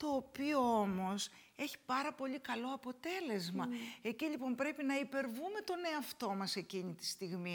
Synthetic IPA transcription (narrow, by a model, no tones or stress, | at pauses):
t̪o̞ːpio̞o̞mo̞s | e̞çi̥pɐɾɐpo̞ʎikɐlo̞ɐpo̞t̪e̞le̞zmɐe̞ciʎipo̞mpɾe̞pinɐipe̞ɾvume̞t̪o̞ne̞ɐft̪o̞mɐse̞ciɲit̪i̥st̪iɣmi